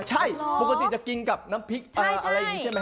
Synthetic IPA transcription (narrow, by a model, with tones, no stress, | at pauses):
t͡ɕʰa˥˩jbo˨˩kt̪i˨˩t͡ɕa˧˩ki˧ŋka˨˩p̚naː˦˥mpʰi˦˥k̚ʔəː˨˩ʔa˧ɾa˧jŋi˧˦˥t͡ɕʰi˦˥˩ma˧